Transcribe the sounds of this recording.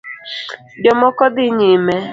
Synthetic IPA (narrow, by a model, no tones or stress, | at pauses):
djɔmɔkɔdɪɲeme